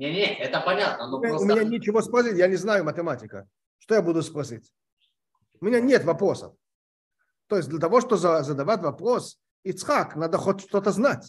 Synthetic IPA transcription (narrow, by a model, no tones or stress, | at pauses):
nʲeɛt̪əpɐnʲat̪̚nənoaʊmʲɪnʲanʲɪt͡ɕɪvospɾɐsʲitʲjanʲɪznajʊmətʲɪmatʲɪkə̰ | ʂt̪ojabud̪ʊspɾɐsʲitʲ | ʊmʲɪnʲanʲet̪vɐpɾo̞sə̰f | t̪o̞jɪs̚ʲd̪lʲət̪̬ɐvoʂt̪ozəzəd̪ɐvatʲvɐpɾo̞s | ɪt̪sxaknad̪əxotʲʂt̪o̞t̪əznatʲ